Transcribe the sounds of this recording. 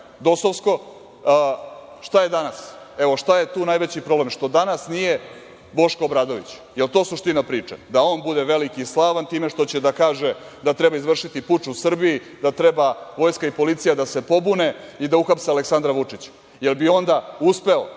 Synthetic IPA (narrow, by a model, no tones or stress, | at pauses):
d̪o̞soʋsko̞ | ʃt̪aje̞d̪anase̞ʋoʂt̪ajet̪uːnajʋet͡ɕipɾo̞blemʂt̪o̞d̪anasnije̞ | bo̞ʃkoobɾaːd̪o̞ʋit͡ɕ | jelˠt̪o̞ːsuʂt̪inapɾiːt͡ʂḛd̪ao̞ːnbud̪eʋe̞likislˠaːʋant̪iːme̞ʃt̪o̞t͡ɕed̪akaːʒe̞ | d̪at̪ɾe̞baizʋr̩ʂit̪iput͡ʃusr̩bii | d̪at̪ɾebaʋo̞jskaipo̞lit̪sijad̪ase̞po̞bune̞id̪auxapsealeksand̪ɾaʋut͡ʂit͡ɕ | je̞lbio̞nd̪auspe̞o